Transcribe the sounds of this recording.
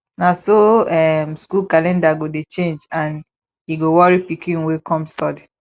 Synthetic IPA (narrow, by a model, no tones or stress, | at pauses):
nasoɛmskulkalɛ̃ndaɡodet͡ʃẽnd͡ʒãn | hiɡowɔɹipikĩnwekʰɔ̃mstɔdi